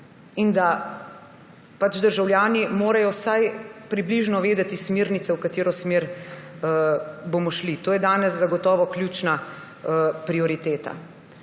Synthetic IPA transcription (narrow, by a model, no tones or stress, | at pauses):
ind̪a | pat͡ʃd̪əɾʒawljaːnimoːɾajɔsajpɾibliʒnɔʋeːd̪ɛt̪ismeɾnit̪sɛwkat̪eːɾɔsmeːɾ | bomɔʃlit̪oːjɛd̪aːnɛszaɡɔt̪ɔːʋɔkljuːt͡ʃna | pɾiɔɾit̪eːt̪a̰